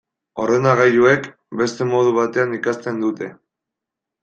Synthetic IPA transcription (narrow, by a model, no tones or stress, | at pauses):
o̞re̞naɣajue̞k | be̞st̪e̞mo̞ð̞uβ̞at̪e̞anikast̪e̞nd̪ut̪e̞